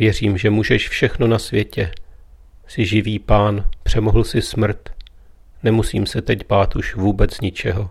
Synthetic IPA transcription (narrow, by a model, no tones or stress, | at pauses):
vjɛr̝iːmʒɛmuːʒɛʃfʃɛxno̞nasvjɛcɛ | sɪʒɪviːpaːnpr̝̥ɛmoɦl̩sɪsmr̩t̪ | nɛmusiːmsɛt̪ɛcbaːt̪uʃvuːbɛt͡sɲɪt͡ʃɛɦo